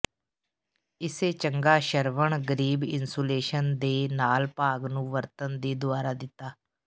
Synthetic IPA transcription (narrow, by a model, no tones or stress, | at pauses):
ɪseːt͡ʃəŋɡaːʃəɾʋəɳɡəɾiːbɪnsoːleːʃənd̪eːnaːlpaːɡnũːʋəɾt̪ənd̪iːd̪ʊaːɾaːd̪ɪt̪ːaː